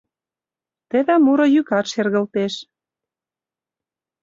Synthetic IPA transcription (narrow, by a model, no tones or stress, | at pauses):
t̪ĕðæmuɾŏjykɑt̪ʃerɣə̆lt̪eʃ